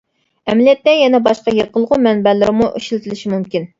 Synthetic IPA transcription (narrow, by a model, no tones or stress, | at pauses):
ɛmɪljɛt̪ːɛjɛnɛbɑʃqɑjeqʰəlˠʁʊmɛnbɛlɪɾɪmuʔiʃilt̪ʰɪlɪʃimumkʲin